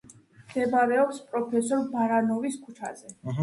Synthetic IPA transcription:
md̪̥ɛbaɾɛɔpspʼɾɔpʰɛsɔɾbaɾanɔviskʰut͡ʃʰa̰zɛ

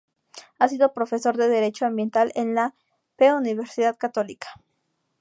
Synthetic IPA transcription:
asiðo̞pɾo̞fe̞so̞ɾðe̞ðe̞ɾe̞t͡ʃo̞ãmbje̞nt̪alenla | peuniβe̞ɾsiðaðkat̪o̞likḁ

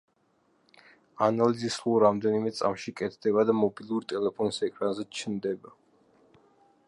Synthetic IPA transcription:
analizislulˠɾamd̪ɛnimɛt̪sʼa̰mʃikʼɛt̪ʰd̪ɛbad̪amɔbilˠuɾt̪ʼɛlɛpʰɔnisɛkʼɾanzɛt͡ʃʰnd̪ɛba

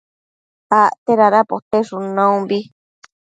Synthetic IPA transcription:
aʔt̪eɾaɾapot̪eʂunãũmbi

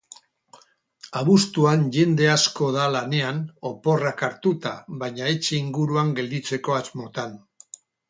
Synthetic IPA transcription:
aβust̪uanʝe̞nd̪e̞asko̞ðalane̞ano̞po̞rakaɾt̪ut̪a̰βaɲae̞t͡ʃe̞iŋɡuɾuaŋɡe̞ld̪it͡se̞ko̞azmo̞t̪an

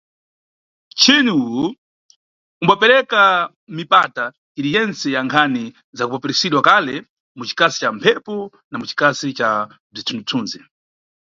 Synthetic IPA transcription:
t͡ʃʰinuu | umbapɛɾɛka | mipata | iɾijɛnt͡sɛjaŋkʰani | zakupɔpɛɾisiɗwakalɛ | mut͡ʃi̥kasi̥t͡ʃampʰɛpɔ | namut͡ʃi̥kasit͡ʃa | b͡ʐitʰundutʰuːnzi

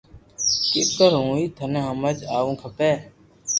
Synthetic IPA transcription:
kekəɾɦũːiːt̪ʰənẽːɦəməd͡ʒaːʋũːkʰəpeː

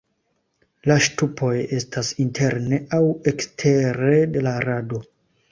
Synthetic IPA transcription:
laʃtupʰo̞je̞stasintʰe̞ɾne̞ʔawe̞kstʰe̞ɾe̞de̞laɾado̞

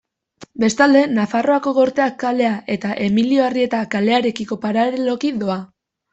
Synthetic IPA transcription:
be̞st̪ald̪e̞nafaro̞ako̞ɣo̞ɾt̪e̞akːale̞aʔe̞t̪aʔe̞milio̞arie̞t̪akale̞aɾe̞kiko̞paɾaɾelo̞kiðo̞a

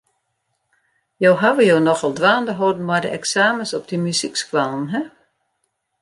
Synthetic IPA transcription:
joːɦaʋəjoːnɔxɔlˠdʋaːndəɦoːdn̩majdə̰ʔɛksaːməsɔp̚dəmysikskwalˠnɦɛ

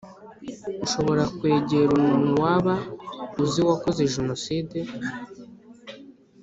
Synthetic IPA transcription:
uʃo̞βo̞ɾakwe̞ːɟeɾumunuwaːβauziwakozeʒeno̞side

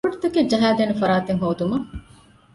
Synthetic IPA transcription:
ɐʈt̪ɐked͡ʒɐɦaːd̪eːnefɐɾaːt̪eŋɦoːd̪umɐ

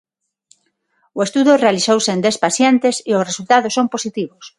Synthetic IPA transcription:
ʊest̪uðʊrealisowsend̪espaθjent̪esɪʊsresult̪að̞ʊsomposit̪iβʊs

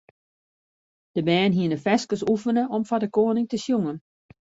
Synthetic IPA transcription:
d̥əbɛːnɦiənəfɛskəsufənəʔɔmfadəkoːənɪŋtəsjuŋən

